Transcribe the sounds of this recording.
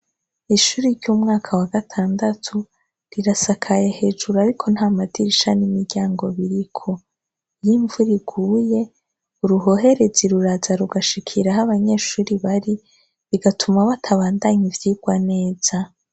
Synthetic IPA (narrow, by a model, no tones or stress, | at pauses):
iʃuːɾiɾɟuːmŋaːkʰawaɡatʰaːndatʰu | ɾiɾasakʰajahe̞ʒuɾaɾikʰo̞n̥haːmadiɾiʃanimiɾɟaːŋɡo̞βiɾikʰo̞ | jiɱvuɾiɡuːje̞ | uɾuɦo̞ɦe̞ɾe̞ziɾuɾazaɾuɡaʃikʰiɾaɦaβaɲe̞ːʃuːɾiβaɾi | βiɡatʰumaβatʰaβaːndaɲivjiːɡ̥wane̞ːz̥a